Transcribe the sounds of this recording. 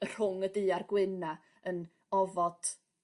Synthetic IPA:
ər̥ʊŋədɨːarɡwɪna | ən | ɔvɔd̥

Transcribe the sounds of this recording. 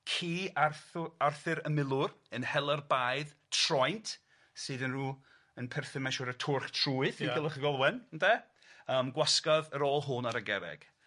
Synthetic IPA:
kʰiːarθʊarθɨɾəmɪlˠʊrənhɛlˠərbaːjðtʰr̥ɔjntʰ | sɨːðənruː | ənpʰɛrθɪmanʃɔɾətʰʊrχtʰruːɨθiɡɪlˠəχəɡɔlˠwɛnndɛ | əːmɡwaskaðəɾɔːlˠɦʊnaɾəɡɛɾɛ̰ɡ̥

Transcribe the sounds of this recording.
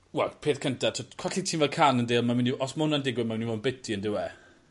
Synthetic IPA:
wɛlˠpʰeːθkʰəntʰatʰokʰɔɬitʰiːnvɛlkʰanəndeːlˠmamɪniɔsmʊnandɪɡwɪmawɪnivonbɪtʰiəndɪwɛ

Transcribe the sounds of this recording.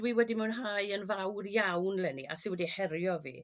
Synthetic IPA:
d̥wiwɛdimɛwnɦajənvawrjawnlɛnḭʔa̰sɪwɛdihɛɾjɔvḭː

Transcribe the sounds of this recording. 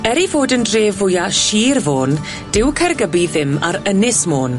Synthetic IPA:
ɛɾivoːdəndreːvʊjaʃiːrvoːn | d̥ɪwkʰɛrɡəbiðɪma̰ɾənɪsmoːn

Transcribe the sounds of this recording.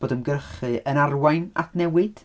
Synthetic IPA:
oːdəmɡərχɨənarwajna̰tʰnɛwɨd̥

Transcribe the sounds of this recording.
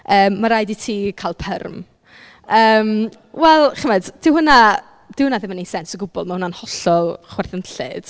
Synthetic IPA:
əːmːaɾajditʰiːkʰalˠpʰə̰rm | əːm | wɛlˠχəmɛdd̥ɪwhɦʊna | d̥ɪwhʊnaðɪmənesɛnsəɡʊbɔ̰lˠmahʊnanhɔɬɔlˠχwɛrθənɬɨ̰d̥

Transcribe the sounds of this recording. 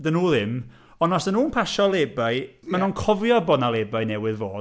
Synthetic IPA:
dənuːðɪm | ɔnɔsənuːnpʰaʃɔlˠeːbaɨmanɔnkʰɔvjɔbɔnalˠebaɨnɛwɪðvoː

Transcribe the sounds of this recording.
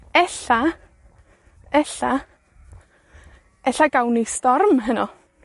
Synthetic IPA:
ɛɬa | ɛɬa | ɛɬaɡawnistɔrmɦənɔ

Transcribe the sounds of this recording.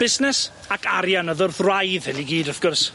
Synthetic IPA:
b̥ɪsnɛs | akʰaɾjanəðʊrθrajðvɛliɡiːdɔθɡ̥ʊrs

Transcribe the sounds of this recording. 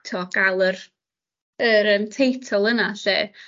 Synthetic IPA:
tʰɔɡ̥alˠər | əɾəntʰejtʰɔlˠənaɬḛː

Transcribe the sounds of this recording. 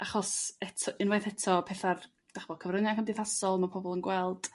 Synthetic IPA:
ʔaχɔsɛtʰɨnwajθɛtʰɔpʰɛθar | d̥aχvɔkʰəvrənakʰəmdɪθasɔlˠmapʰɔbɔlˠənɡwɛlˠd̥

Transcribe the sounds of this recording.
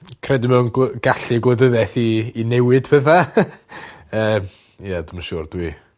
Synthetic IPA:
kʰrɛdɪmɛwnɡ̥aɬiɡlˠəðəðɛθiːnɛwɪd̥pʰɛθa | əːm | jadɪmaʃʊːrd̥wi

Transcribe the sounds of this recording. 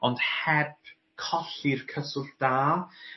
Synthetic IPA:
ɔnd̥hɛb̥ | kʰɔɬirkʰəsʊrd̥aː

